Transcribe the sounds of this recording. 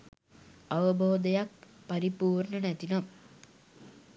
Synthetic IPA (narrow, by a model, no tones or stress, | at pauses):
aʋəboːd̪ɐjak̚ | pɐɾipuːrɳənæt̪inom